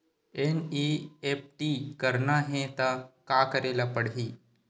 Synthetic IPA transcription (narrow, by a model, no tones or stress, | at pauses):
eniep̚ʈikəɾnaɦẽt̪akakəɾelapəɽɦiː